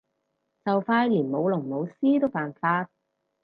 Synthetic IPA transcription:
t͡sɐ˨wfaː˧jliː˨˩nmo˨˧wlʊ˨˩ŋmo˨˧wsiː˥t̪o˥wpaː˨˩nfaː˧t̚

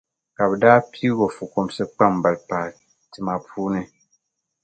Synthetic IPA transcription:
ka˨bɛ˨daː˦pʰi˦ɡo˨fu˨ko˨msɛ˦k͡pa˦˨m˨ba˨lpaː˨ | ti˨ma˨pʰuː˦nɨ˨

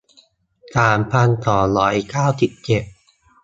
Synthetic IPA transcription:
saː˨˩˦mpʰa˧nt̪ɔː˩˦lɔː˩˦jkaː˥˩wsi˨˩p̚t͡ɕe˨˩t̚

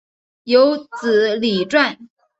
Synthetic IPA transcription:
jo˧˥ʊt͡sɹ̩˨˩˦li˨˩ʈ͡ʂwa˥˩n

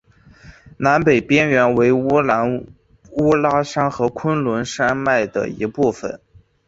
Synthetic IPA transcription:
na˧˥npe˨˩ɪpjɛ˥nɥɛ˧˥nwe˧˥ɪ˥˧˥ | u˥la˥ʂa˥nxɤ˧˥kʰwə˥nlwə˧˥nʂa˥ma˥˩ɪd̪ə̰˩ḭ˧˥pu˥˩fə̰˨˩˦n

